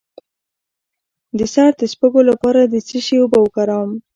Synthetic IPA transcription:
d̪əsɑɾd̪əspəɡolapɑɾad̪ət͡səʃewobawəkaɾɑwm

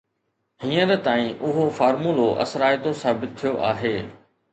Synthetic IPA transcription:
ɦiːə̃ɾət̪aːĩʔʊɦofaːɾmuːloʔɐ̰sɾaːjt̪osaːbɪt̪̚t̪ʰːijoʔaːɦeː

